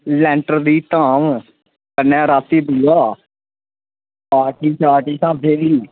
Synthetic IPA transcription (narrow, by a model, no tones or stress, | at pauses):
lɛ̃ːɳʈəɾd̪iːt̪aːm | kənːɛ̃ːɾaːt̪iːb̪uɡaː | paːʈiːt͡ʃaːʈiːsaːb̚d̪eːʋiː